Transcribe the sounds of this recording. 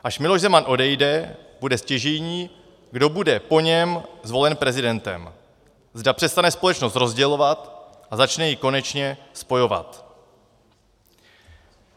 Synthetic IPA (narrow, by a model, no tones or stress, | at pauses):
ʔaʃmɪlo̞ʒzɛmanʔo̞dɛjdɛbudɛscɛʒɛjɲiː | ɡdo̞budɛpo̞ɲɛmzvo̞lɛnpɾɛzɪdɛnt̪ɛ̰m | zdapr̥ɛst̪anɛspo̞lɛt͡ʃnost̪ɾo̞zɟɛlo̞vat̪ | ʔazat͡ʃnɛjɪko̞nɛt͡ʃɲɛspo̞jo̞va̰t̪